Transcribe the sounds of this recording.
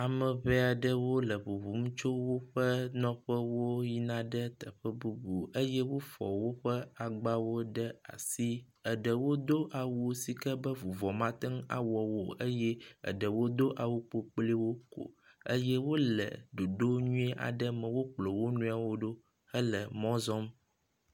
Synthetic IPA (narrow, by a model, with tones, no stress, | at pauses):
a˨mə̃˨βe˦a˨ɖə˦wo˦lə˨βu˨vu˨˦m˦t͡ʃo˦wo˦ɸə˦nɔ̃˦ɸə˦wo˦ji˦nã˦ɖə˦t̪ə˨ɸə˦bu˦bu˨ə˦jɛ˦wo˦fɔ̰˨wo˦ɸə˦a˨ɡ͡ba˦wo˦ɖə˦a̰˨si˦ | ə˨ɖə˨wo˦d̪o˦ʔa˨wu˦si˨kə˦bə˦vu˨vɔ˨mã˦t̪ə˦ŋa̰˨wɔ˨wo˨ə˦jɛ˦ə̰˨ɖə˨wo˦d̪o˦ʔa˨wu˦k͡po˦k͡pli˦wo˦ko̰˨ | ə̰˦jɛ˦wo˦lə̰˨ɖo˨ɖo˦ɲũ˦e˦ʔa̰˨ɖə˦mə̃˨wo˦k͡plo˨wo˦nũ˦a˨wo˦ɖo˦ | ə˦lə˨mɔ̃˦zɔ˦m